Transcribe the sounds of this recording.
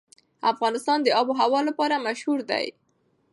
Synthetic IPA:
a̰fɣɑnɪst̪ɑnd̪əɑboɦawɑlapɑɾamaʃhuɾd̪a̰j

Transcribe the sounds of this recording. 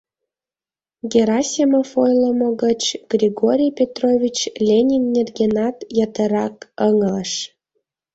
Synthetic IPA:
ɡʲeɾɑsʲiməfojlˠə̆moɡət͡ɕɡ̥rʲiɡoɾʲijpʲet̪rovʲit͡ɕlʲenʲinːʲerɡʲenɑt̪jɑt̪ə̆ɾɑkəŋə̆ləʃ

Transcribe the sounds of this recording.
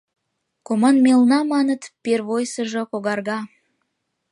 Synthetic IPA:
komɑnmelnɑmɑnət̪perβojsəʒŏkoɣɑrɣɑ

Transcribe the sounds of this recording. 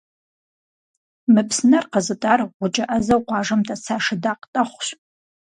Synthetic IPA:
mɨpʰsnɐrqəzɨtʼaːrʁʷʊt͡ʃʼɐʔɐzɐwqʷɑːʐɐmtʰʼɐt͡sʰaːʂɨdaːqtʼɐχʷɕ

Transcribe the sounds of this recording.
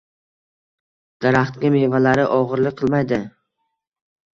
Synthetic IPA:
d̪̥aɾaχt̪kʲɪmevalaɾɪʔɒʁɨɾlɪk̚ʲqʰɨlˠmajd̪ɪ

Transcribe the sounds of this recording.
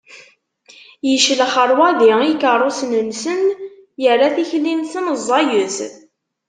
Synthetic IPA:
jəʃlχəɾˤwæðiikərˤosnənsənjərːaθiçlːinsənzˤːɑjəθ

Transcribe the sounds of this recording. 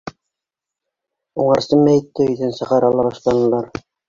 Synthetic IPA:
uɴɑɾsɤmmːæjɘ̆t̪ːɘɵ̆jðænsɤ̆ʁɑɾɑlˠːɑβɑʃlˠɑnɤ̆lˠɑɾ

